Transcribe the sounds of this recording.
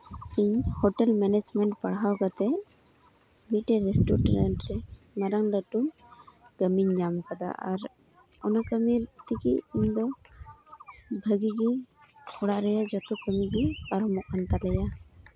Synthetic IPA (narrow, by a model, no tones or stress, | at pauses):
iɲhɔʈɛlmɛnɛd͡ʒmɛɳʈpaɽɦawɡat̪ɛ | mit̪̚ʈɛɾɛsʈuɾɾanʈɾɛ | maɾaŋd̪aʈu | ɡəmiɲːamkad̪a̰ʔaɾɔnakəmit̪ikḭʔmd̪ɔ | bʱəɡiɡiɔɽaʔɾɛjad͡ʒɔt̪ukəmiɡɛpaɾɔmɔk̚ant̪alɛja